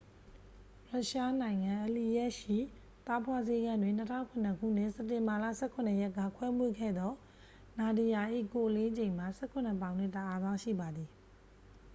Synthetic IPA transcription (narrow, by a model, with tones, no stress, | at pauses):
ɹa˦ʔʃa˦nã˨ɪ̃ŋã˨ʔə˨li˨jɛ˦ʔʃḭ˦˨ | t̪a˦pʰwa˦ze˦ɡã˦˨ndwɪ̃˨n̥ə˦tʰã̰˦˨ŋkʰʊ̃˨nə˨kʰṵ˦˨n̥ɪ̰˦˨sɛ˨tːɪ̃˨mba˨lä̰˦˨sɛ˦˨kʰʊ̃˨nə˨jɛ˦kːä̰˦˨kʰwɛ˦mwe˦˨kʰɛ̰˦˨d̪ɔ˦ | na˨di˨ja˨ʔḭ˦˨ko˨ʔəle˦d͡ʑẽ˨ɪ̃ma˨sɛ˦kʰʊ̃˨nə˨pã˨ʊ̃n̥ɪ˦˨tə˨ʔa˦zã˦ʊ̃ʃḭ˦˨ba˨d̪ði˨